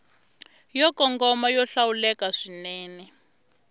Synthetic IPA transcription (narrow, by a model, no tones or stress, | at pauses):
jɔkɔŋɡɔmajɔɬawulɛkaʂinɛːnɛ